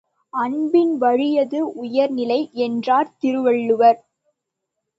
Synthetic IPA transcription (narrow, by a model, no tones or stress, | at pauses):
ɐnbɪnʋɐɻɪjɐðɯʔʊjɐɾnɪlɐɪɛndraːɾt̪ɪɾɯʋɐɭːɯʋɐɾ